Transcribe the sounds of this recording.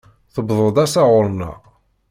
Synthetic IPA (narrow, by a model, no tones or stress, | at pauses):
θəbðˤəd̪ˤæsæʁʊɾˤnɑ̰